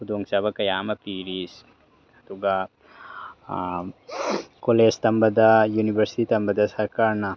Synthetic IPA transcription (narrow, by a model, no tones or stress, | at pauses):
hud̪oŋsɐbɐkɐjaːmɐpiɾis | ɐd̪uɡa | kolest̪ɐmbɐd̪ɐjunibɐɾsi̥t̪it̪ɐmbɐd̪ɐsɐɾkaɾnɐ